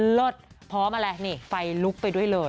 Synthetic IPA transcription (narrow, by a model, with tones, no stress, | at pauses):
lo˥˩t̪̚ | pʰɔː˦˥maː˧lɛ˦˥niː˥˩fa˧jlu˦˥k̚pa˧jdu˥˩əjlɤː˧j